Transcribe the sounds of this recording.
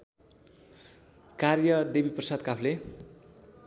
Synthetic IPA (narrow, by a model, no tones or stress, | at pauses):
karjʌd̪ebiprʌsad̪kapʰle